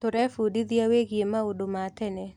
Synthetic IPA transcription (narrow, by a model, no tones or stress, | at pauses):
toɾɛfudid̪iaweɡjemaodomatɛnɛ